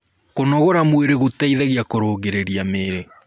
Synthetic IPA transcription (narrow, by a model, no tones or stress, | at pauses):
konɔɣoɾamweɾeɣotɛiðɛɣiakoɾoːɣeɾeɾiameːɾe